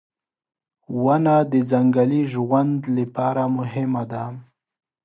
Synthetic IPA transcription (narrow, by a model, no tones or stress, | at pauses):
wanad̪əd͡zaŋɡaliʒwand̪lapɑɾamʊɦɪmad̪a